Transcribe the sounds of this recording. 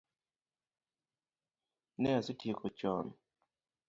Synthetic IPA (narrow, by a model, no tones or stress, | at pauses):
nɛasɪtikɔt͡ʃɔn